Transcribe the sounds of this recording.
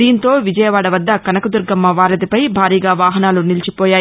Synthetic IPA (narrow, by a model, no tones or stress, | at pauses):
iːnt̪o̞ːʋid͡ʒɐjɐʋaːɽɐʋɐd̪ːɐkɐnɐkud̪uɾɡɐmːɐʋaːɾɐd̪ipɐjbʱaːɾiːɡaːʋaːɦɐnaːlunilt͡ʃipoːjaː